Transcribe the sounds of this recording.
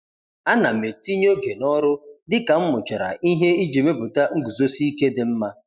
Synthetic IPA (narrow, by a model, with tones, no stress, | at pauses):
a˦na˨me˨ti˦ɲo˦ɡe˨nɔ˦ɾʊ˦dɪ˦ka˨m̩˦mʊ˨t͡ʃa˨ɾa̰˨ʔi˦ɦe˦i˦d͡ʒe˨me˦bʊ˨ta˦ŋ̩˦ɡu˨zo˦si˦i˦ke˦dɪ˨m̩˦ma˦